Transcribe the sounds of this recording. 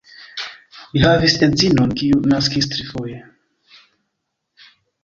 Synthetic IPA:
liɦavisenzinonkiunaskistɾifoje

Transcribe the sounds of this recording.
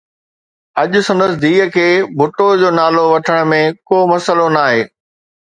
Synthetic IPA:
ɐʄʊ̆sɐ̃nd̪əsɪd̪iːɦəkʰeːbʱʊʈod͡ʑoːnaːloʋɐʈʰəɽ̃mẽkoːmɐsəlonaːɦeː

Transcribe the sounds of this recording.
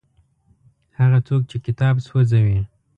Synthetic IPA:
haɣat͡sok̚t͡ʃekɪt̪ɑbswəzawi

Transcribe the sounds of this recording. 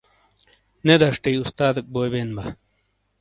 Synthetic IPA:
ned̪ɐʂʈɐiust̪aːd̪ɐk̚boːjbeːnbɐ

